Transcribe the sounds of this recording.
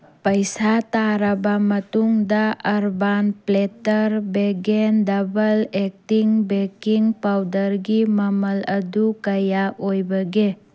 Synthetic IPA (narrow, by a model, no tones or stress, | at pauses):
pɐjsataɾɐbɐmɐtuŋdaɐɾbanpletɐɾbeɡendɐbɐlek̚tiŋbekiŋpawdɐɾɡimɐmɐlɐdukɐjaʔojbɐɡe